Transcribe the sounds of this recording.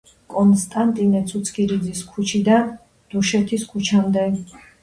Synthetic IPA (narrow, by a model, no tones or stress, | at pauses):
kʼɔnst̪ʼant̪ʼinɛt̪sʰut̪sʰkiɾid̪ziskʰut͡ʃʰid̪a | d̪̥uʃɛt̪ʰiskʰut͡ʃʰamd̪ɛ